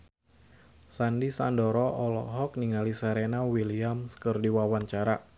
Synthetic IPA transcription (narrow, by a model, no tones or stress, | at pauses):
sandisandɔɾɔʔɔlɔ̰ɦɔk̚niŋalisaɾenawiliamskərdiwawaɲt͡ʃaɾa